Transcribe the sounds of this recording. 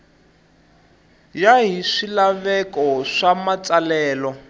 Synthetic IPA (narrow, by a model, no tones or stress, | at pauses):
jaɦiʂilaβɛkɔʂamat͡salɛːlɔ